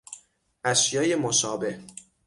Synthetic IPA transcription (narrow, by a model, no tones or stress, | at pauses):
ʔæʃjɒːjemoʃɒːbe̞h